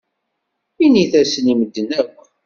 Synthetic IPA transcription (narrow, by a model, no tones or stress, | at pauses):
iniθæsəniməd̪ːənækʷ